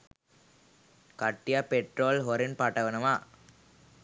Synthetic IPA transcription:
kɐʈːɪjaːpɛʈɾoːlɦɔɾɪnpaːʈːɐʋɐnɐmaː

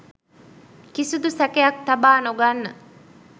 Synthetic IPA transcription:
kisud̪usækejɐk̚t̪ɐbaːnoɡanːə

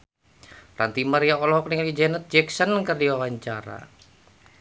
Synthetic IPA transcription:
ra̰nt̪imaɾiaɔlɔɦɔkniŋaid͡ʒɛnət̪̚d͡ʒɛksənkərdiwawaɲt͡ʃaɾa̰

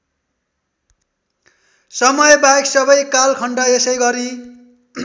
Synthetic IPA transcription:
sʌmʌjbajksʌbʌjkalkʰʌɳɖʌesʌjɡʌɾi

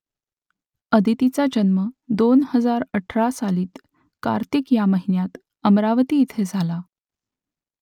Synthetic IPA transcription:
əd̪ʱit̪it͡sad͡ʑənməd̪onhəd͡zaɾəʈʰɾasaliːt̪ | ka̰ɾt̪ikjaməɦinjat̪ | əmɾaʋt̪iːt̪ʰed͡zʱala

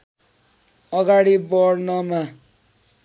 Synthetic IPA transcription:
ʌɡaɽibʌɽnʌma

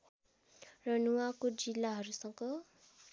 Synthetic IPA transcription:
rʌnuwakod͡zilːaɦʌɾusʌŋɡʌ

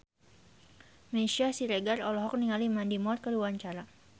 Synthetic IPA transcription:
meʃiasiɾeɡarɔlɔɦɔk̚niŋalimandimɔt̪̚kəluwaɲt͡ʃaɾa

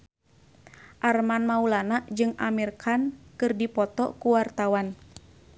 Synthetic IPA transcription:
ʔarmanmaulanaʔd͡ʒɨŋamirkʰankɨrdipɔt̪ɔkuwart̪awan

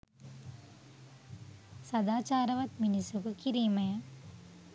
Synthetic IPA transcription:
sɐd̪aːt͡ʃaːɾɐʋɐt̪minisukukiɾiːmɐjɐ

